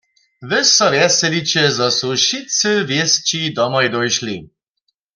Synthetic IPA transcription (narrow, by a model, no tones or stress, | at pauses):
vɘsɔvjɛsɛlit͡ɕɛzɔsuʃit͡sɨvjɛst͡ɕid̪ɔmɔjd̪ɔjʃli